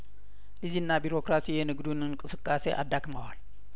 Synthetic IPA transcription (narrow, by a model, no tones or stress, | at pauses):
ʔɨzinːabiɾo̞kɾasijenɨɡd̪unɨŋkʼɨsɨkʼːaseʔa̰d̪ːakʼmawal